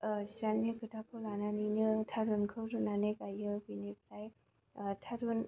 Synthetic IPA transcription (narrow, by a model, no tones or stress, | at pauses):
sanːikʰɯtʰakʰɔlananinɯtʰaɾunkʰɯwɾɯnanɯkajɯbinepʰlaj | tʰaɾun